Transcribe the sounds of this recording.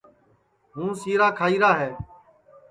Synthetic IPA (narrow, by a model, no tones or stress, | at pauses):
ɦũːsiːɾaːkʰaːiːɾaːɦeː